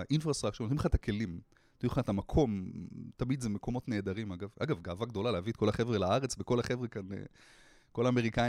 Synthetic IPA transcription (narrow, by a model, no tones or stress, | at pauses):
ʔinfʁast̪ʁakʃont̪imχat̪ake̞lim | t̪auχat̪amakʰo̞mt̪amid̪zemeko̞mo̞t̪neːd̪aʁimaɡava̰ɡavɡaːvaɡdo̞laleaviet̪̚kolaχevʁelaaʁet͡sbeko̞laχe̞vʁekanḛ | ko̞laːme̞ʁika